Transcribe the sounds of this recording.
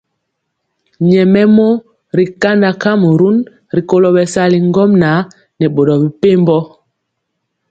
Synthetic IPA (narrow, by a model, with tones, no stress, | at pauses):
ɲɛ˨mɛ˦mɔ˦ | ɾi˨ka˦nda˨ka˦mu˨ɾu˦n | ɾi˨ko˨lo˨ɓɛ˨sa˦li˨ŋɡɔ˦mna˨˦ | nɛ˨ɓo˨dɔ˨bi˨pe˦mbɔ˦